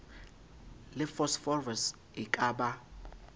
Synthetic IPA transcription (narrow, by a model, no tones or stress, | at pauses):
lɪfɔsfɔrvɛs | ɪkʼaːɓa